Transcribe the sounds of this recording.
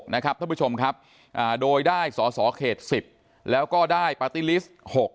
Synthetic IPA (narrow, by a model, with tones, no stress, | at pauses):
na˦˥kʰɾa˦˥p̚t̪ʰa˥˩pu˥t͡ɕʰo˧mkʰa˦˥p̚ | ʔaː˨˩doː˧jdaː˥˩jsɔː˩˦sɔː˩˦kʰeː˨˩t̪̚si˨˩p̚ | lɛː˦˥wkɔː˥˩daː˥˩jpa˧t̪iː˦˥˩li˦˥s | ho˨˩k̚